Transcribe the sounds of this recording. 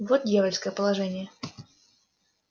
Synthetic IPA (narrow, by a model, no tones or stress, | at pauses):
vot̪̚dʲjavəlʲskəjəpəlˠɐʐɛnʲɪjə